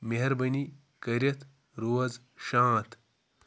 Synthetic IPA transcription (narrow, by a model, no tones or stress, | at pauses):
meɦɐɾbɐni | kɐɾɐt̪ʰ | ɾoːɐz | ʃãːt̪ʰ